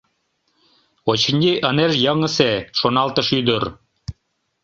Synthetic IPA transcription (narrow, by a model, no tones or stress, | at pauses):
ot͡ɕ̆nʲiʔə̆neʒjɑŋɤ̆seʃonɑlt̪ɤ̆ʃyd̪ŏɾ